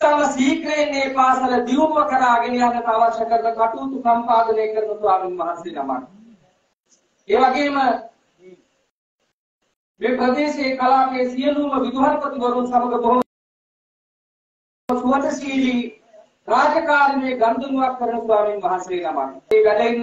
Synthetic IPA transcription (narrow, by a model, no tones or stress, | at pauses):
amɐsiːkɾeneːpaːsɐlɐd̪iumʋɐkɐɾaːɡenijaːnɐt̪aːʋɐɾʃɐkəɾnɐkaʈuːt̪usɐmpaːd̪əneːkəɾənɐsʋaːminmɐɦaseːnɐma̰n | eːʋɐɡeːmə | mepɾəd̪eːseːkɐlaːkeːsijəluːməʋid̪uɦankot̪ubɐɾunsɐmɐɡəboɦo | suʋɐt̪ɐsiːli | ɾaːd͡ʒɐkaːɾɐneːɡɐnd̪unuʋakːəɾənəsuʋaːminʋɐɦaseːnɐma̰neːʋælein